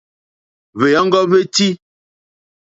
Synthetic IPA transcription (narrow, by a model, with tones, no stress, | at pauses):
βe˨ja˦ŋ̩˦ɡɔ˦βe˦ti˦